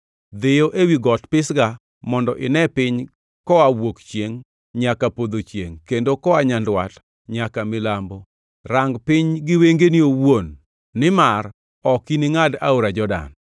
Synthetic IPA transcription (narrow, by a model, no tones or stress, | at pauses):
d̪ejoʔewiɡɔtpɪsɡa | mɔndɔʔɪ̰nɛpɪɲ | kɔawokt͡ʃjeŋ | ɲakapod̪ot͡ʃjḛŋkendokɔaɲandwat | ɲakamɪlambo | raŋɡpɪɲɡɪweŋɡeniowonː | ɪmar | ɔkinɪŋada̰oɾad͡ʒɔda̰n